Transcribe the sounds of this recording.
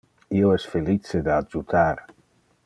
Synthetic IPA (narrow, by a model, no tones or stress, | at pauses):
ioɛsfelit͡sed̪aːd͡ʒut̪ʰaɾ